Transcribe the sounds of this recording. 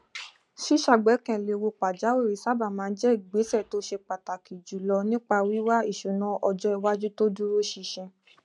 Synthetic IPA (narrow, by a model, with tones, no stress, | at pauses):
ʃi˦ʃa˦˨ɡ͡bɛ˨˦kɛ̃˧˨le˨˧wo˧k͡pa˨d͡ʒa˨˦we˦˨ɾi˨sa˦˨ba˦˨mãː˨˦n̩˦d͡ʒɛ˦˨ɡ͡be˨˦sɛ˦˨to˦ʃe˧k͡pa˨ta˨ki˨d͡ʒu˨lɔ˧nĩ˦k͡pa˧wi˦wa˦i˦˨ʃu˨nã˧˦ʔɔ˧d͡ʒɔ˦ɛ˧wa˦d͡ʒu˦to˦du˦ɾo˦ʃi˧ʃɛ̃˧